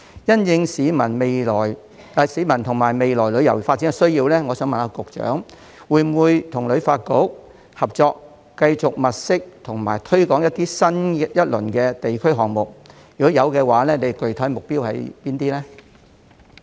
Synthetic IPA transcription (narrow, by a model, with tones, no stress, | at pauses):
jɐ˥njɪ˧ŋsiː˨˧˥mɐ˨˩nme˨jlɔː˨˩j | a˨˩siː˨˧˥mɐ˨˩nt̪ʰʊ˨˩ŋmaː˨˩jme˨jlɔː˨˩jlɵ˨˧˥jɐ˨˩wfaː˧t̚ːiː˨˥kɛ˧sɵ˥ɥjiː˧wlɛː˥ŋɔː˨˧sœː˨˥ŋmɐ˨naː˧kʊ˨k̚t͡ʃœ̰ː˨˥ŋ | wuː˨˧jm˨wuː˨˧jt̪ʰʊ˨˩ŋlɵ˨˧ɥfaː˧t̚ko˨˥w | hɐ˨p̚t͡sɔː˧k | kɐ˧jt͡sʊ˨k̚mɐ˨t̚sɪ˥k̚t̪ʰʊ˨˩ŋma̰ː˨˩jt̪ʰɵ˥ɥkɔː˨˥ŋjɐ˥t̚t̪iː˥sɐ˥njɐ˥t̚lɵ˨˩nkɛː˧t̪e˨jkʰɵ˥ɥɦɔː˨ŋmʊ˨k̚jkɔ˨˥jɐ˨˧wkɛː˧waː˨˥lɛː˥ne˨˧jkɵ˨˩ɥt̪ʰɐ˨˥jmʊ˨k̚piː˥whɐ̰˨jpiː˥nt̪iː˥lɛː˥